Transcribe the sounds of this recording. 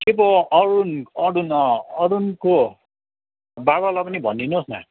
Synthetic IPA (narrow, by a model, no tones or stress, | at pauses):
kebʌʌɾunʌɾunʌɾunko | baβalapʌnibʱʌ̰nːinosna̰